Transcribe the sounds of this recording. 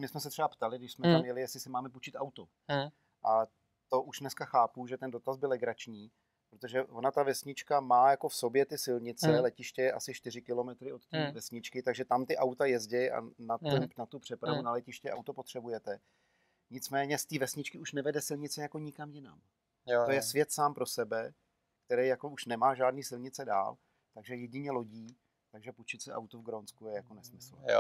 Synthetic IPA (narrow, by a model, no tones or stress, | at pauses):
mɪsmɛsɛt̪r̥ɛbapt̪alɪɡdɪʃsmɛt̪amjɛlɪjɛsɪsɪmaːmɛput͡ʃɪt̪ʔawt̪o | ʔa | t̪o̞ʔuʃnɛskaxaːpuʒɛt̪ɛndo̞t̪azbɪlɛɡɾat͡ʃɲiː | pɾot̪oʒɛvonat̪avɛsɲɪt͡ʃkamaːjako̞fso̞bjɛt̪ɪsɪlɲɪt͡sɛlɛcɪʃcɛjɛʔa̰sɪʃt̪ɪrɪkɪlo̞mɛt̪ɾɪo̞t̪t̪iːvɛsɲɪt͡ʃkɪt̪aɡʒɛt̪amt̪ɪʔawt̪ajɛzɟɛjʔa̰nat̪ɛmnat̪upr̝̥ɛpɾavunalɛcɪʃcɛʔa̰wt̪opot̪r̥ɛbujɛt̪ɛ | ɲɪt͡smɛːɲɛst̪iːvɛsɲɪt͡ʃkɪuʃnɛvɛdɛsɪlɲɪt͡sɛjako̞ɲɪkamjɪna̰m | t̪ojɛsvjɛt̪saːmpɾo̞sɛbɛ | kt̪ɛɾɛjjako̞uʃnɛmaːʒaːdniːsɪlɲɪt͡sɛda̰ːl | t̪aɡʒɛjɛɟɪɲɛlo̞ɟiː | t̪aɡʒɛput͡ʃɪt͡sɛʔa̰wt̪uvɡɾonskujɛjako̞nɛsmɪsl̩ɛ